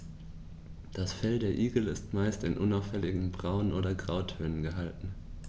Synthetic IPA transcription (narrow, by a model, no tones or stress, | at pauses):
d̥asfɛldeːɐʔiːɡl̩ɪstmaɪstɪnʔʊnaʊfhɛlɪɡŋ̩bʁaʊənʔoːdɐɡʁaʊtʰøːnənɡəɦaltn̩